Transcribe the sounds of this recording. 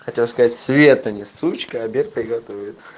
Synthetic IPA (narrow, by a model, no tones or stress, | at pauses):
xɐtʲelˠskɐzatʲsvʲet̪ɐnʲɪsut͡ɕkəɐbʲert̪əɪɡɐt̪ovʲɪt̪